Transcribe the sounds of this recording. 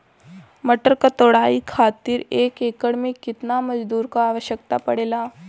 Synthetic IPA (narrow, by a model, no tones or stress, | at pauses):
məʈəɾkət̪oɽaikʰat̪iːɾekekəɽmikːit̪naməd͡ʑd̪uːɾkaːʋəɕjək̚t̪a̰pəɽela